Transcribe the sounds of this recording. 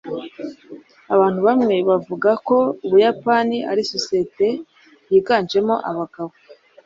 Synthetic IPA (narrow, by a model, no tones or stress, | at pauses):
aβaːnhuβamŋe̞βavuɡako̞uβujapaniʔa̰ɾisosiete̞ | jiːɡaːnt͡ʃe̞mo̞ʔaβaɡ̥aβo